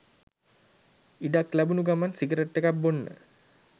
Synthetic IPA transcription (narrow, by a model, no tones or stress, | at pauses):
iɖaklæbunuɡamansiɡəɾeʈːekap̚bonːə̰